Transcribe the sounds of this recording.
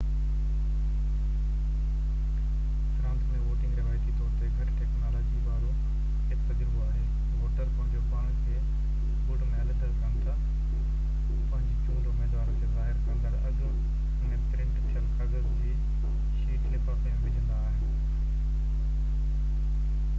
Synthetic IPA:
ʈɾãːnsmẽʋoːʈɪ̃ŋɡɾɐʋaːt̪it̪ɔːɾt̪eɡʱɐʈʈeːknaːloːd͡ʑibaːɾo | ɦɪkt̪ɐd͡ʑɾboaːɦeː | ʋoːʈəɾpɐ̃ɦɪ̃ɲd͡ʑopaːɽ̃kʰeː | bʊɖmɛːlʈ̪əɾkɐ̃nt̪a | pɐ̃ɪ̃ɲd͡ʑt͡ɕõːd̪omeːd̪aːɾõd͡ʑozaːɦɪɾkɐ̃nd̪əɾɐɡ | nẽpɾɪ̃ɳʈt̪ʰijəlkʰaɡəɾd͡ʑeː | ʃiːʈʰepapɪjãbɪ̃d͡ʑə̃nd̪aːɦɪnɪ

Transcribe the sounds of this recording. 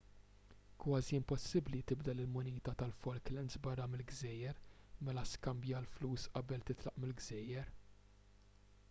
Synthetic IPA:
kwɐːziɪmpɔsːɪblit̪ɪbd̪ɛlɪlmʊniːt̪ɐt̪ɐlfɔlklɛnzbɐrːɐmɪlɡzɛːjːɛɾmɛlɐskɐmbjɐɐlfluːsʔɐbɛlt̪ɪt̪lɐʔmɪlɡzɛːjːɛɾ

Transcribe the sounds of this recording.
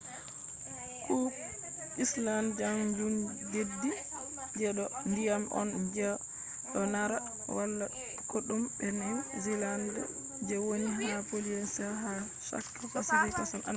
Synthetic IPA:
ku | ʔisland͡ʒamd͡ʒundedːi | d͡ʒɛɗɔndijamʔɔ̰nd͡ʒɛ | ɗɔnaɾa | wʔalːa | koɗumbɛnawzilandɔ̰ | d͡ʒɛwoniɦapoliɛnsaɦa | sa̰kːɔfasilitasɔnʔa̰

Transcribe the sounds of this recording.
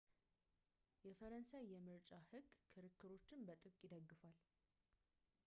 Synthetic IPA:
jɛfəɾənsajːɛmɨɾt͡ʃʼahɨɡkʰɨɾɨkʰːɨɾo̞t͡ʃːɪmbət̪ʼɨkʼjɪd̪əɡːɨfal

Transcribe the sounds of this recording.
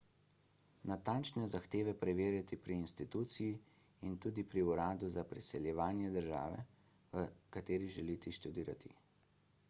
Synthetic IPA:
nat̪ant͡ʃnɛzaxt̪eːʋɛpɾɛʋeːɾjat̪ipɾiːnst̪it̪uːt̪siji | int̪uːd̪ipɾiuɾaːd̪uzapɾisɛljɛʋaːnjɛd̪əɾʒa̰ːʋɛ̰ | ʋəkat̪eːɾiʒɛlit̪iʃt̪ud̪iːɾa̰t̪ʰḭ

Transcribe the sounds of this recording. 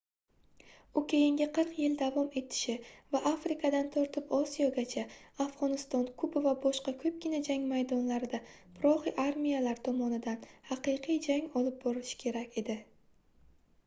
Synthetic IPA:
ʊkʲʰe̞jɪŋɡʲɪqʰɨɾqjɪld̪avɒme̞t̪ʰɪ̥ʃɪvaʔafɾɪkʰad̪ant̪ʰɒɾt̪ʰɪpɒsijɒɡʲat͡ʃʰaafʁɒnɪst̪ɒnkʰʊbɪvabɒʃqɑkʲʰɵp̚kʲʰɪnad͡ʒaŋmajd̪ɒnlaɾɪd̪apʰɾɒʁiʔaɾmijalaɾt̪ʰɒmɒnɪd̪anhaqʰɨjqʰijd͡ʒaŋʲɒlˠɪp̚bɒɾɪlɪʃɪ̥kʲʰe̞ɾakʲʰe̞d̪ɪ

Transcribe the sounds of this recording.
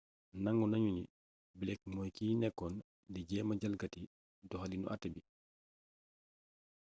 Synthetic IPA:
naŋɡunɐɲunḭ | bilɛk̚mɔːjkiːnɛkːɔn | liɟɛːmɐɟalɡɐti | dɔxɐlinṵʔatːɛbi

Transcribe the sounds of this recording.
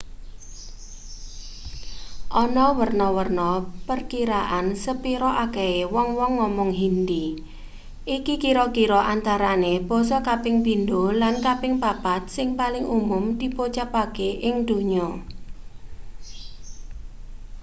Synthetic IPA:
ʔɔnɔwərnɔwərnɔpərkiɾaʔansəpiɾɔʔakeewɔŋwɔŋːɔmɔŋɦind̪i | ʔikikiɾɔkiɾɔʔant̪aɾaneb̥ɔ̤sɔkapɪŋpind̪olankapɪŋpapat̪̚sɪŋpalɪŋʔumʊmd̪̥ipot͡ʃapakeʔɪŋd̪̥o̤ɲɔ

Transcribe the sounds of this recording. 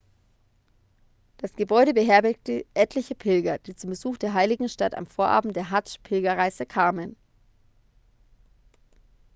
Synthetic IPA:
d̥asɡ̥əbɔʏɾəbəɦɛɐbɛk̚təʔɛtʰlɪçəpʰɪlɡɐd̥iːt͡sʊmbəzuːxd̥eːɐɦaɪlɪɡŋ̩ʃtata̰mfoːɐʔa̰ːbm̩t̚d̥eːɐɦat͡ʃpʰɪlɡɐʁaɪzəkʰaːmən

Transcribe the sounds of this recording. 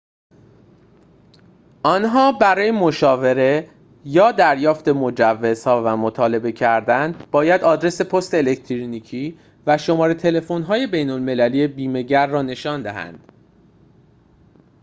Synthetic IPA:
ʔɒːnɦɒːbæɾɒːjemoʃɒːve̞ɾe̞ | jɒːd̪æɾjɒːft̪e̞mod͡ʒævːe̞z̥hɒːvæmot̪ʰɒːle̞be̞cʰæɾd̪ænb̥ɒːjæd̪ɒːd̪ɾe̞se̞pʰost̪e̞ːlect̪ʰɾoniːcʰiː | væʃo̞mɒːɾet̪ʰe̞lefo̞nɦɒːjebe̞jno̞lme̞lælijebiːme̞ɟæɾːɒːne̞ʃɒːnd̪æɦæ̰nd̪̥

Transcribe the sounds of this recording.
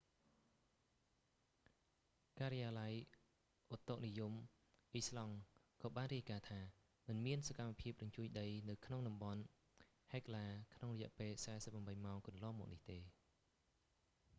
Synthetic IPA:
kaːɾijaːlaj | ʔot̪ːok̚nijum | ʔislɑŋkɑːɓaːnriəjkaːt̪ʰaː | mɨnmiənsakamːapʰiəp̚rɑɲt͡ɕuəjɗəjnɨwkʰnoŋɗɑmɓɑn | haɛklaːkʰnoŋrɔjɛ̆ʔpeːlsaɛsəp̚ːrɑmɓəjmaɔŋkɑnlŏmɔːk̚niht̪eː

